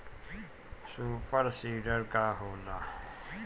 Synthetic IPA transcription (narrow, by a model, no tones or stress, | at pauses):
suːpəɾsiːɖəɾkaːɦoːnaː